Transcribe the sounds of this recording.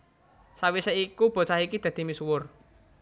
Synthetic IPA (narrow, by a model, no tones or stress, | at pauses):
sawiseikub̥ɔ̤t͡ʃahikid̪̥a̤d̪̥i̤misuwʊr